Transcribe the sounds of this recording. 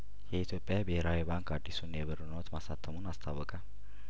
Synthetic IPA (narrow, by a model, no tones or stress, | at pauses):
jɛit̪ʰjopʼːjabəheɾawibaŋkad̪ːisunjɛβəɾɨnot̪masat̪ʰəmunast̪ʰawəkʼal